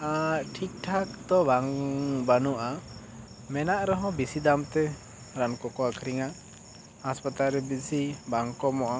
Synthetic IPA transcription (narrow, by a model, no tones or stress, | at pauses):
aʈʰik̚ʈʰak̚t̪ɔbaŋbanuʔa | mɛnaʔɾɔɦɔ̃bisid̪amt̪ɛ | ɾankɔkɔakʰɾiŋa | haspat̪alɾɛbisibaŋkɔmɔʔa